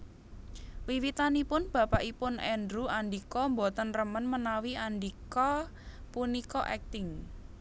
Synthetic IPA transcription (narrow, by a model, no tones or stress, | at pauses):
wiwit̪anipʊnb̥ä̤paʔipʊnɛndɾuaɳɖikɔmbot̪ənrəmənmənawianɖikɔ | punikɔʔɛk̚t̪ɪŋ